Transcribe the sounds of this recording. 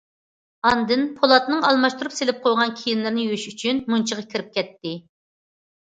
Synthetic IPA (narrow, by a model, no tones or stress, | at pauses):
ɑnd̪ɨnpʰolˠɑt̪nɨŋɑlˠmɑʃt̪uɾupselɪp̚qʰojʁɑnkʲʰijinlɪɾnɪjyʃyt͡ʃʰynmunt͡ʃʰəʁɑkʲʰiɾɪp̚kʲɛt̪ːɪ